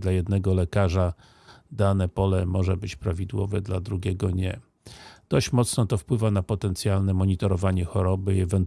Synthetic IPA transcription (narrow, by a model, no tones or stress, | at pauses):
d̪lajɛd̪nɛɡɔlɛkaʐa | d̪anɛpɔlɛmɔʐɛbɘt͡ɕpɾavʲid̪wɔ̰vɛd̪lad̪ɾuɡʲɛɡɔɲɛ | d̪̥ɔɕt͡ɕmɔt̪snɔt̪ɔfpwɘvanapɔt̪ɛnt̪sʲjalnɛmɔɲit̪ɔɾɔvaɲɛxɔɾɔbɘiɛvɛnt̪